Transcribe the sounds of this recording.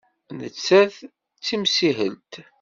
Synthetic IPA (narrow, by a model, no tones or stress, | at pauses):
nət͡sːæð | t͡sːimsiɦə̰lt̪